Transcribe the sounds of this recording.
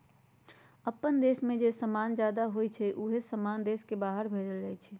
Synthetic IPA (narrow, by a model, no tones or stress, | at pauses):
əpːənd̪esmẽd͡ʒesəmand͡ʒjaːd̪aɦojt͡ʃʰɛʔuɦesəmand̪eskebaɦəɾbʱed͡ʒəld͡ʒajt͡ʃʰɛ